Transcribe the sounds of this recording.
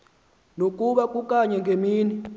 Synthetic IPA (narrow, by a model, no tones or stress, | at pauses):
nokʼuɓakʼukʼaɲɛŋɡʱemiːni